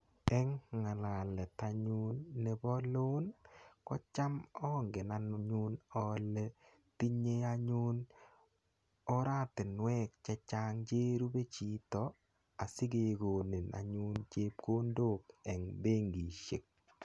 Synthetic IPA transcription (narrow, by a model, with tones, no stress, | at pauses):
ɛ˦ŋŋa˨la˨lɛ˨ta˨ɲu˦nːe˨bɔ˦lo˦nkɔ˦t͡ʃa˦mɔ˦ŋɡe˨na˨n˨ɲu˦nɔ˦le˦ | ti˦ɲe˦a˦ɲu˦n | ɔ˦ɾa˦˨tɪ˨nwɛ˦k̚t͡ʃɛ˦t͡ʃa˦ŋd͡ʒeː˦ɾu˦be˦t͡ʃi˨tɔ˨ | a˨si˦ɡe˨ɡo˨ni˨na̰˨ɲu˦nt͡ʃe˦p̚ko˦ndo˦kɛ˨ŋbe˦ŋɡi˨ʃḛ˨k̚